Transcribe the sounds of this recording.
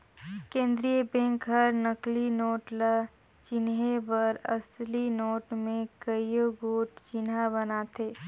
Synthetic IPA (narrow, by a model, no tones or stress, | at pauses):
kẽːnd̪ɾiəbẽːŋkɦəɾnəklinoːʈla | t͡ʃɪnɦebəɾɐslinoːʈmẽkəijoɡoːʈt͡ʃɪnɦabɐnat̪ʰeː